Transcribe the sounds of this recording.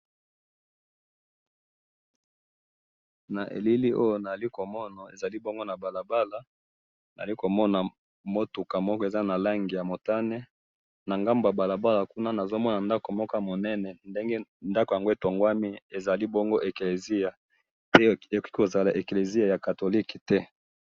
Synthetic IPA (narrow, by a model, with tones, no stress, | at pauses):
na˨ʔḛ˨li˦li˦ʔo˦jo˦na˨a˨li˦ko˨mɔ˦na˨ḛ˨za˨li˦bo˦ŋɡo˦na˨ba˨la˨ba˦la˨ | na˨a˨li˦ko˨mɔ˦na˨ | mo˦tu˨ka˨mɔ˦kɔ˦e˨za˦na˨la˦ŋɡi˨ja˨mo˨ta˦nɛ˦ | na˨ŋɡa˦mbo˨ja˨ba˨la˨ba˦la˨ku˦na˦na˨zo˦mɔ˦na˨nda˦ko˨mɔ˦kɔ˦˨mo˨nɛ˦nɛ˨nde˦ŋɡe˦nda˦ko˨ja˨ŋɡo˦e˨to˨ŋɡwa˦mi˦e˨za˨li˦bo˦ŋɡo˦ʔe˨kle˨zi˦ja˨ | pe˦e˨ki̥˦ki˦ko˨za˨la˨ʔe˨kle˨zi˦a˨ja˨ka˨to˨li˦ki̥˨tɛ˦